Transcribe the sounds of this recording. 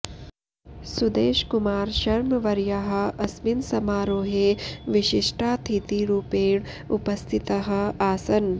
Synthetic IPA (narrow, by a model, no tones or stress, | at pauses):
sud̪eːʃkumaːɾʃɐɾmɐʋɐɾjɐɦɐ̆ɐsminsɐmaːɾoːɦeːʋiʃiʂʈaːt̪ʰit̪iɾuːpeːɳ | upɐst̪ʰit̪ɐɦɐ̆aːsɐn